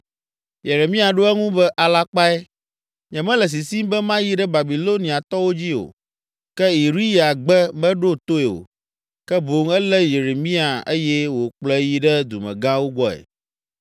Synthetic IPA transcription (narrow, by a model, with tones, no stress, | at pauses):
je˨ɾe˨mĩ˦a˨ɖo˦ɛ˦ŋũ˦bɛ˦ʔa˨la˦k͡pa˦ɛ˦ | ɲɛ̃˨mɛ̃˦lɛ˨s̬i˨si˦mbɛ˦mã˦ji˦ɖɛ˦ba˨bi˨lo˦nĩ˨a˨t̪ɔ˦wo˦d͡ʑi˦o̰˨ | kɛ˦i˨ɾi˦ja˨ɡ͡bɛ˦mɛ̃˦ɖo˦t̪o˦ɛ˨o̰˨ | kɛ˦bo˨ŋɛ˦lɛ˦je˨ɾe˨mĩ˦a˨e˦jɛ˦wo˨k͡plɛ˦ji˦ɖɛ˦d̪u˨mɛ̰̃˨ɡã˦wo˦ɡ͡bɔ˦ɛ̰˨